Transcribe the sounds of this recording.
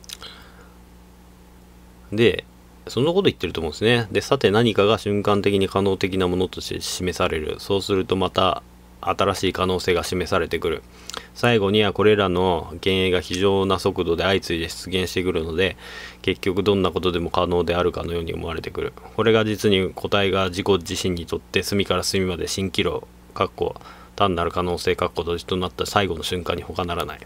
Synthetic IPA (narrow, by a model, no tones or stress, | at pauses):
d̪e̞ | sõ̞nːako̞t̪o̞it̪ːe̞ɾɯ̟t̪omõ̞nd̪esɨned̪e̞sat̪e̞naɲ̟ikaɡaɕɨ̃ŋkãnt̪e̞k̬ʲiɲ̟ikano̞ːt̪e̞k̬ʲinamo̞not̪o̞ɕt̪ḛɕime̞saɾe̞ɾɯ̟̰so̞ːsɨɾɯ̟t̪o̞mat̪a | at̪aɾaɕiːkano̞ːse̞ːɡaɕime̞saɾe̞t̪e̞kɯ̟ɾɯ̟̰ | saiɡo̞ɲ̟iako̞ɾe̞ɾano̞ɡẽ̞ɰ̃eɡaçiʑo̞ːnaso̞kɯ̟d̪o̞d̪e̞ait͡sɨid̪e̞ɕi̥t͡sɨɡẽ̞ɰ̃ɕi̥t̪e̞kɯ̟ɾɯ̟no̞d̪e̞ke̞kʲːo̞kɯ̟d̪õ̞nːako̞t̪o̞d̪e̞mo̞kano̞ːd̪e̞aɾɯ̟kano̞jo̞ːɲio̰mo̞aɾe̞t̪e̞kɯ̟ɾɯ̟̰ko̞ɾe̞ɡad͡ʑit͡sɨɲ̟ikʰo̞t̪aiɡad͡ʑiko̞ʑiɕĩɲ̟ːit̪o̞t̪ːe̞sɨmʲikaɾasɨmʲimad̪e̞ɕĩŋkʲiɾo̞̰ | kakːo̞̰ | t̪ãnːaɾɯ̟kano̞ːse̞ːkakːo̞d̪od͡ʑi̥t̪onat̪ːasaiɡo̞no̞ɕɨ̃ŋkã̰ɲ̟ːiho̞kanaɾana̰ḭ